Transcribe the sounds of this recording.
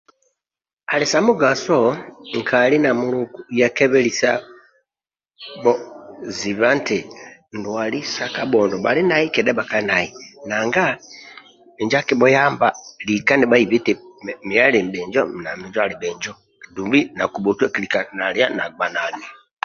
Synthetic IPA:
alisamuɡasoŋkʰalinamulukujakeβelisa | bɔziβantendwalisakabɔndɔba̰linaikɛdɛbakanainaŋɡa | miɲd͡ʒakibɔjaːmbalikaniβaiβitimialimbɛːɲd͡ʒɔnamiɲd͡ʒalibɛːɲd͡ʒɔ | kidumbinakubotwakilikanalianaɡɡ͡banali

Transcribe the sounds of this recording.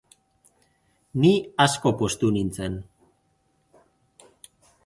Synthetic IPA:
niasko̞po̞st̪unint͡se̞n

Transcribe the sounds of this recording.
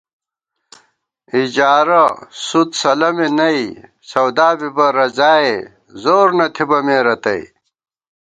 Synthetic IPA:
id͡ʑaːɾɐsut̪sɐlɐminɐi | sɐwd̪aːbibɐɾɐzaːe | zoːɾnɐt̪ʰibɐmeːɾɐt̪ɐ̰i

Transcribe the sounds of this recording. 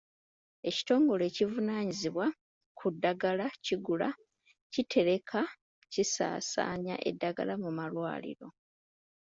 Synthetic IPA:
e̞ci̥to̞ːŋɡo̞le̞ːcivunaːɲiziβwa | kʰudːaɡalaciɡula̰ | citʰe̞ɾe̞kʰa | cisa̰ːsa̰ːɲa̰ʔe̞̰dːaɡa̰lamumalwa̰ːlḭɾo̞

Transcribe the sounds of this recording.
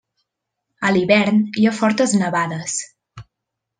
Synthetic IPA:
əliβɛɾniafɔɾt̪əznəβaðəs

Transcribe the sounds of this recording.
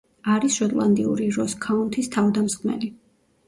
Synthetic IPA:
aɾisʃɔt̪ʼlˠand̪iuɾiɾɔskʰaunt̪ʰist̪ʰavd̪amsχʰmɛ̰li

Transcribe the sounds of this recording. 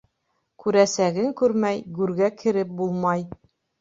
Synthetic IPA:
kʉɾæsæɡɘŋkʉɾmæjɡʉɾɡækʰɘ̆ɾɘp̚bulˠmɑj

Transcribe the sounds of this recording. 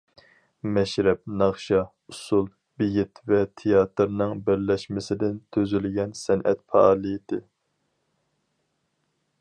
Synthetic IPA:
mɛʃɾɛp̚nɑχʃɑ | usulˠ | bɪjɪt̪vɛt̪ʰejɑːt̪ɾnɨŋbɪɾlɛʃmɪsɪd̪ɪnt̪ʰøzylɪɡʲɛnsɛnʔɛ̰t̪fʰɑɑːlˠɨjid̪ɨ

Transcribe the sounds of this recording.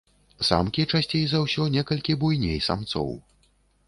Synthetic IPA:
sa̰mkʲit͡ʂasʲt͡sʲejzɐwsʲɔnʲɛkɐlʲkʲibujnʲejsa̰mt̪sɔ̰w

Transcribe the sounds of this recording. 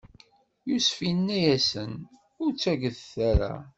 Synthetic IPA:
jusfinːæjæsən | ʊɾt͡sːæʝəðθæɾa̰

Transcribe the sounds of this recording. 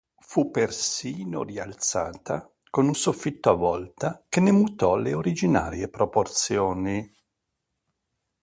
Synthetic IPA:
fupːersiːno̰rialt̪saːt̪a | konunsofːit̪ːoavːɔlt̪akenːemut̪ɔleoɾid͡ʒina̰ːɾjepɾoport̪sjoːni

